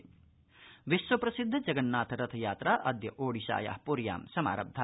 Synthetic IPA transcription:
ʋisʋɐpɾɐsid̪ʱːɐd͡ʒɐɡɐnːaːt̪ʰɐɾɐt̪ʰɐjaːt̪ɾaːʔɐd̪jɐʔoːɽisa̰ːja̰ːhpuɾja̰ːmsɐma̰ːɾɐ̰b̚d̪ʱa

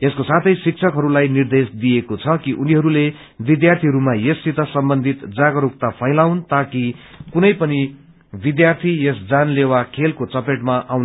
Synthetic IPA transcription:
eskosat̪ʰʌjsik̚t͡sʰʌkɦʌɾulajnird̪esd̪ijekot͡sʰʌkiʔuniɦʌɾule | bid̪jart̪ʰiɦʌɾumajesːit̪ʌsʌmbʌnd̪ʱit̪d͡zaɡʌɾuk̚t̪apʰʌjlawnt̪akikunʌjpʌni | bid̪jart̪ʰijesd͡zanlewakʰelkot͡sʌpeʈmaʔawn

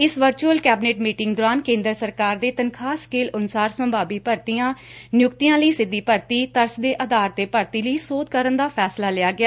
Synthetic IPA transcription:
ɪsʋəɾt͡ʃuːəlkɛːbneːʈmiːʈɪŋɡd̪oːɾaːnkẽːnd̪ɾəsəɾkaːɾd̪eːt̪ənkʰaːskeːlʊnsaːɾsə̃mbʱaːbiːpəɾt̪ijãː | nɪjʊkt̪ijãːləiːsɪd̪ːiːpəɾt̪iːt̪əɾsd̪eːʔəd̪aːɾt̪eːpəɾt̪iːləiːsoːd̪̚kəɾənd̪aːpʰɛːslaːlɪːaːɡɪaː

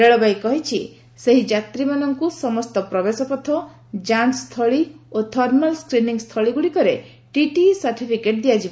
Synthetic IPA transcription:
eɭɔbajkɔɦit͡ʃʰi | seɦid͡ʒat̪ɾimanɔŋkusɔmɔst̪ɔpɾɔbesɔpɔt̪ʰɔ | d͡ʒanst̪ʰɔɭiot̪ʰɔɾmɔlskɾiniŋst̪ʰɔɭiɡuɽikɔɾe | ʈiʈisaɾʈipʰikeʈ̚d̪iad͡ʒib

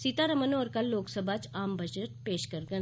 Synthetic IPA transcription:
sit̪aɾɐmənoɔːɾkɐlːoːksəbʱat͡ʃaːmbɐd͡ʒəʈ̚peːʃkɐɾɡə

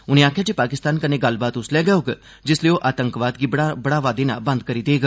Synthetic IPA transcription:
ʊniãːkʰjat͡ʃipaːkɪst̪aːnkəneɡalbaːt̪ʊsljaɡəjoɡə | d͡ʒesleoʔaːt̪əŋkʋaːd̪ɡɪbɽabɽaʋaːd̪ena̰bə̃nd̪kəɾid̪eɡə

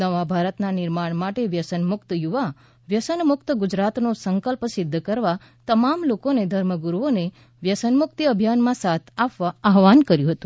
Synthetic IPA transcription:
nəʋabʱaɾət̪nanɪɾmaɳ̃maʈeʋjəsənmʊkt̪juʋa | ʋjəsənmʊkt̪əɡʊd͡ʒɾat̪nosəŋkəlpsɪd̪ʱːkəɾʋa | t̪əmamlokoned̪ʱəɾməɡuɾuone | ʋjəsənmʊkt̪iəbʱjanmãsat̪ʰapʋaaɦʋankəɾjũɦət̪ũ

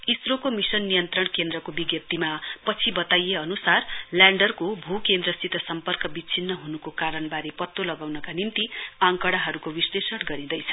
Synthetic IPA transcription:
isrokomisʌnːijʌnt̪rʌɳkend̪rʌkobiɡjʌp̚t̪imapʌt͡sʰibʌt̪ajeʌnusarljaɳɖʌrkobʱukend̪rʌst̪it̪ʌsʌmpʌrkʌbit͡sʰinːʌɦunukokaɾʌɳbaɾepʌt̪ːolʌɡawnʌkanimt̪iãŋkʌɽaɦʌɾukobislesʌɽɡʌɾĩd̪ʌjt͡sʰʌ̥

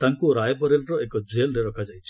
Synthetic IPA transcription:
t̪aŋkuɾajbɔɾelɾɔekɔd͡ʒelɾeɾɔkʰad͡ʒajt͡ʃʰi

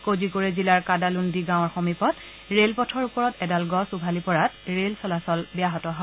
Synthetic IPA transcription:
kozikoɹɛzilaɹkadalundiɡãw̃ɔɹxɔmipɔt | ɹelpɔtʰɔɹupɔɹɔtɛdalɡɔsubʱalipɔɹatɹelsɔlasɔlbɛjaɦɔtɔɦɔ

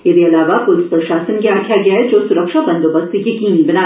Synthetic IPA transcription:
ɪd̪eɐlaːʋapʊlɪspɾʃaːsənkeaːʈʰjaɡɐjaɦɛd͡ʒoːsʊɾəkʃabɐ̃nd̪obɐst̪ejɐkiːnbɐnaː

